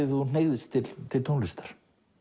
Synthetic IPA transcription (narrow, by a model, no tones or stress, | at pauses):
ɪθun̥eːjɣðɪst̪ʰɪlt̪ʰɪlt̪ʰonlɪst̪ḁɾ̥